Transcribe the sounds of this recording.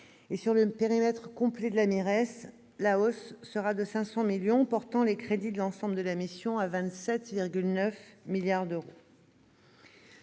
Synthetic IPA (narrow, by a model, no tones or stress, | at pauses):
esyʁləpeʁimɛt̪χəkɔ̃plɛd̪əlamiʁɛs | laosːəʁad̪əsɛ̃sɑ̃miljɔ̃pɔʁt̪ɑ̃lekχed̪id̪əlɑ̃sɑ̃bləd̪əlamisjɔ̃avɛ̃t̪sɛt̪viʁɡʲylnœfmiljaʁd̪øʁo